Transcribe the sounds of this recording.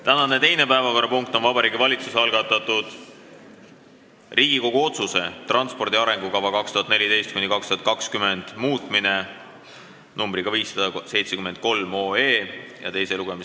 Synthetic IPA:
t̪ænɑne̞t̪e̞jne̞pæevɑko̞ɾɑpuŋkt̪o̞nvɑbɑɾiːɡivɑlʲit̪suseɑlɡ̥ɑt̪ːˑɑt̪ːˑud̪̥ | rʔiːɡ̥iko̞ɡ̥uo̞t̪suse̞t̪rɑnspo̞rd̪̥iɑɾe̞ŋɡ̥ukɑvɑkɑkst̪uɦɑt̪nelid̪e̞jst̪̚kunʲːikɑkst̪uhɑt̪̚kɑkskyme̞nd̪̥muːt̪ˑmine̞ | numbɾiɡɑviːsːɑd̪ɑse̞jt̪sekyme̞nd̪̥̚ko̞lmo̞ːeːjɑ̰t̪e̞jse̞luɡ̥e̞mi

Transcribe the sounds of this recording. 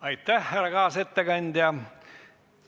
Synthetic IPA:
ɑjt̪ːæhːærːɑɡɑːset̪ːeɡ̥ɑnʲd̪̥ʲjɑ

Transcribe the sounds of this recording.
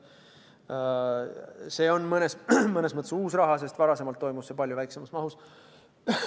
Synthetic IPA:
se̞ːo̞nmɤne̞smɤne̞smɤt̪ːˑesuːsrɑɦɑs̬e̞st̪vɑɾɑse̞mɑlt̪ːo̞jmusːepɑlʲjuvæjkse̞mɑsmɑɦus

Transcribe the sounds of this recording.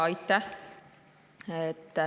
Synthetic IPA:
ɑjt̪ːæ | et̪ːæ

